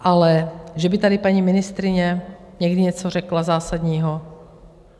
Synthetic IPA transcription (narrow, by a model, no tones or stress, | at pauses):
ʔalɛʒɛbɪt̪adɪpaɲimɪnɪst̪ɾɪɲɛ | ɲɛɡdɪɲɛt͡sor̝ɛklazaːsad̪ɲiːɦo